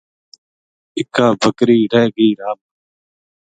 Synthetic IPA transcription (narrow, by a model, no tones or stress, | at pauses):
ɪkːaːbʱəkɾiːɽeːɡiːɾaːm